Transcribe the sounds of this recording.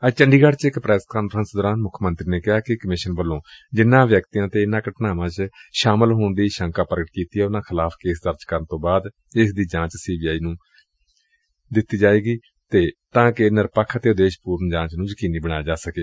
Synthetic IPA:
ət͡ʃəɳɖiːɡəɽt͡ʃɪkpɾɛːskaːnfɾənsd̪ɔːɾaːnmʊkʰmənt̪ɾiːneːkɪɦaːkɪkəmɪʃənbəlːõːd͡ʒɪnːãːʋjəkt̪iːjãːt̪eːɪnãːkəʈnaːʋãːt͡ʃʃaːməlɦoːɳd̪iːʃə̃ŋkaːpəɾəɡəʈ̚kiːt̪iːɛːʊnãːkʰɪlaːpʰkeːsd̪əɾd͡ʒkəɾənt̪õːbaːd̪ | ɪsd̪iːd͡ʒãːt͡ʃsiːbiːaːiːnũː | d̪ɪt̪ːiːd͡ʒaːeːɡiː | t̪eːt̪ãːkɪnɪɾpəkʰːt̪eːʊd̪eːʃpuːɾnd͡ʒãːt͡ʃnũːd͡ʒəkiːniːbəɽ̃aːjaːd͡ʒaːsəkeː

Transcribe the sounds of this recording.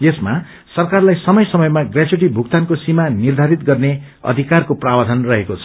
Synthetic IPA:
jesma | sʌrkarlajsʌmʌjsʌmʌjmaɡrad͡zuʈibʱuk̚t̪ankosimanird̪ʱaɾit̪̚ɡʌrne | ʌ̰d̪ʱikarkoprabad̪ʱʌnrʌɦekot͡sʰʌ

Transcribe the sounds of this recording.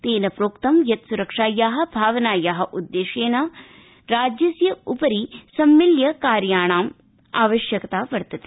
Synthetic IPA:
t̪eːnɐpɾoːkt̪ɐmjɐt̪suɾɐkʂaːjaːɦɐ̆bʱaːʋɐnaːjaːɦɐ̆ʔud̪ːeːʃeːnɐ | ɾaːd͡ʒjɐsjɐupɐɾisɐmːiljɐkaːɾjaːɳ̃aːm | a̰ːʋɐʃjɐkɐt̪aːʋɐɾt̪ɐt̪e̥

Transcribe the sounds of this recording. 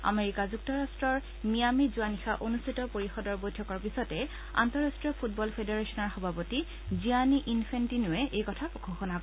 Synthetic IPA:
a̰meɹikazuk̚tɔɹastɹɔɹ | mijamizuanixaʔonustʰitɔpoɹixɔdɔɹbojtʰɔkɔɹpisɔtɛ | a̰ntɔɹastɹijɔpʰut̚bɔlpʰedeɹesɔnɔɹxɔbʱapɔti | zianiʔinpʰentinʊɛʔejkɔtʰapɔkʰoxɔnak

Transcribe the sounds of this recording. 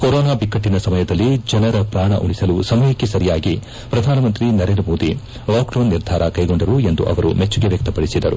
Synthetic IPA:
koɾɔːnaːbikːɐʈːinɐsɐmɐjɐd̪ɐlːid͡ʒɐnɐɾɐpɾaːɳɐ̰ʔuɽisɐlusɐmɐjɐkːe̞sɐɾijaːɡi | pɾɐd̪ʱaːnɐmɐnt̪ɾinɐɾe̞nd̪ɾɐmo̞ːd̪i | ʋaːkloːnːiɾd̪ʱaːɾɐkɐjɡo̞ɳɖɐɾue̞nd̪uʔɐ̰ʋɐɾume̞t͡ʃːuɡe̞ʋjɐk̚t̪ɐpɐɽisid̪ɐɾu

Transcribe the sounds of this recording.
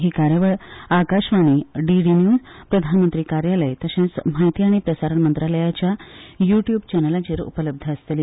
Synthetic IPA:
ɦiːkaɾjəʋəɭakaɕʋaɽ̃iɖiɖinjuːd͡zpɾəd̪ʱanmənt̪ɾiːkaɾjaləjt̪əɕẽt͡sm̤ajt̪iːaɽ̃ipɾəsaɾəɳmənt̪ɾaləjat͡ɕjajuʈjuːbt͡ɕɛnəlat͡ɕeːɾṵpələb̚d̪ʱəəst̪əli

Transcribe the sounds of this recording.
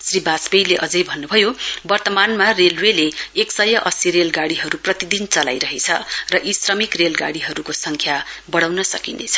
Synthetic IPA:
sribasbejleʔʌd͡zʌjbʱʌnːubʱʌjobʌrt̪ʌmanmarelweleeksʌjʌʔʌsiɾelɡaɽiɦʌɾuprʌt̪id̪int͡sʌla̰jɾʌɦet͡sʰʌ̰rʌʔisrʌmikrelɡa̰ɽiɦʌɾukosʌŋkʰjabʌɽawnʌsʌkinḛjt͡sʰʌ̥

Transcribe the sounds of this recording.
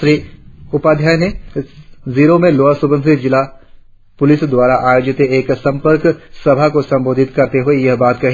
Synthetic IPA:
ʃɾiːʊpaːd̪ʱjaːjne | ziːɾomẽloːasʊbə̃nʰʱɪd͡ʒɪla | pʊlɪsd̪waːɾaʔaːjoːd͡ʒɪt̪eeːksɐ̃mpəɾksɐbʱakosɐ̃mboːd̪ʱɪt̪kɐɾt̪eɦuejɐɦbaːt̪kɐɦi

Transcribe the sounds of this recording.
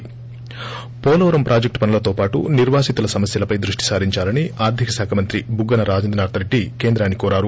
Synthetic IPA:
pɔːlɐʋɐɾɐmpɾʔaːd͡ʒek̚ʈpɐnulɐt̪oːpaːʈṵniɾʋaːsit̪ulɐsɐmɐsjɐlɐpɐjd̪ɾuʂʈi̥saːɾiɲt͡ʃaːlɐniaːɾd̪ʱikɐsaːkʰɐmɐnt̪ɾibuɡːɐnɐɾaːd͡ʒɐnd̪ɐnaːɾt̪ʰɐɾeʈːikeːnd̪ɾaːnikɔːɾaːɾu

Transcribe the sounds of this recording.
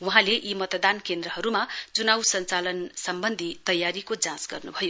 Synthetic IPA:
wuɦãleʔimʌt̪d̪ankend̪rʌɦʌɾumat͡sunawsʌnt͡salʌnsʌmbʌnd̪ʱit̪ʌjːaɾikod͡zãsɡʌrnubʱʌjo

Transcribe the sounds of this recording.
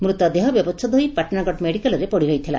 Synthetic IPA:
mɾut̪ɔd̪eɦɔbjɔbɔst͡ʃ̪ʰɔd̪oipaʈnaɡɔʈmeɽikalɔɾepɔɽiɾɔjt̪ʰila̰

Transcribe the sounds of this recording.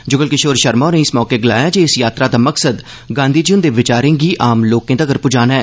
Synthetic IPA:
d͡ʒʊɡəlkɪʃoːɾʃəɾmaːnĩːɪsmɔːkeːɡɪlaːjaːd͡ʒeːɪsjaːt̪ɾaːd̪aːməksəd̪ | ɡãːnd̪iːd͡ʒiʊnd̪eːʋɪt͡ʃaːɾẽːɡiːʔaːmloːkẽːd̪aːɡəɾpʊd͡ʒaːnɛː

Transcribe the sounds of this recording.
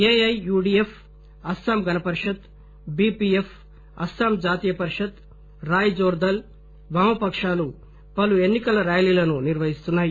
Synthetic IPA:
eːɐjuːɖief | ɐsaːmɡʱɐnɐpɐɾʂɐt̪ | biːpief | ɐsaːmd͡ʒaːt̪ijɐpɐɾiʂɐt̪ | ɾaːjd͡ʒoːɾd̪ɐl | ʋaːmɐpɐkʂaːlu | pɐluenːikɐlɐɾaːjlilɐnuniɾʋɐɦist̪unːaːji

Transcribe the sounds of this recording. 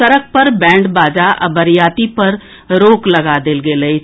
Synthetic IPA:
əɾək̚ʰpəɾbɛ̃ːɳɖbaːd͡ʒaːʔə̰bəɾjaːt̪iːpəɾ | ɾoːkləɡaːd̪ɪlɡeːləi

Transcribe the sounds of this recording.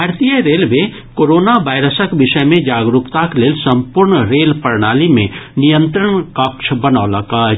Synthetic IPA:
aːɾt̪ijəɾeːlme | koːɾoːnaʋaːɪɾəsəkʋɪʃəmẽd͡ʒaːɡɾukt̪akleːlsɐ̃mpʊɾɳɾeːlpəɾɳaːlimẽnijə̃nt̪ɾəɳkəkʃʰbənaːlaka

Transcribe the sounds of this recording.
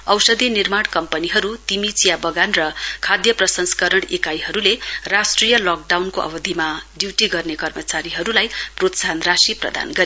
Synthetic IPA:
ʌwsʌd̪ʱinirmaɽkʌmpʌniɦʌɾut̪imit͡sijabʌɡanrʌkʰad̪jʌprʌsʌnskʌɾʌɽ̃ekajɦʌɾulerasʈrijʌlɔk̚ɖawnkoʔʌ̰bʌd̪ʱimadiwʈiɡʌrnekʌrmʌt͡saɾiɦʌɾulajprot̪sanrasiprʌ̰d̪a̰nɡʌɾe

